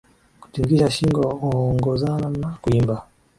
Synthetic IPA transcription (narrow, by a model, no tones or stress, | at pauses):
ku̥tiŋɡiʃaʃiŋɡɔhuɔŋɡɔzananakuimba